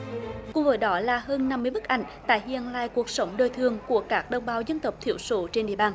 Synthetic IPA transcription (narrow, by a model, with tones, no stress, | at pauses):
kʊ˨˧˦ŋ͡mvəː˨˦jɗɔ˨˦laː˨˩həː˧nːa˧mːɨ˧əjmɨ˦˥k̚ʔa̰˧˩jŋ̟t̪a̰ː˧˨jhḭ˧˨ənla̰ː˧˨jku˨˩ək̚sə˨˦wŋ͡mɗəː˨˩jt̪ʰɨ˨˩əŋku˧˩əkaː˦˥k̚ɗə˧wŋ͡mɓaː˨˦wzə˧nt̪ə˨˩wp̚t̪ʰḭ˧˩əwso˧˨˦t͡ɕe˧nɗḭ˧˨əɓaː˧˩n